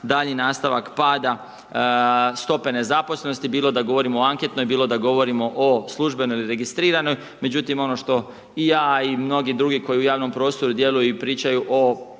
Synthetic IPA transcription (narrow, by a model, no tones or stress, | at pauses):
d̪aʎɲinaːst̪aʋakpaːd̪a | st̪o̞pe̞ne̞zapo̞sle̞no̞st̪ibiːlˠo̞d̪aɡo̞ʋo̞ɾimooaŋket̪no̞jbiːlˠo̞d̪aɡo̞ʋo̞ɾimo̞ʔoslˠuʒbe̞nojiliɾe̞ɡist̪ɾiːɾano̞j | me̞d͡ʑut̪imo̞no̞ʃt̪o̞ | ijaːimno̞ɡid̪ɾuɡiko̞jiujaːʋno̞mpɾo̞ːst̪o̞ɾud̪je̞lujipɾiːt͡ʃajuʔo